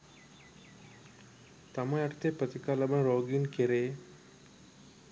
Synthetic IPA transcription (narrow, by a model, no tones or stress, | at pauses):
t̪ɐmãɐʈt̪ʰeːpət̪ikalɐbənɾoːɡinkeɾe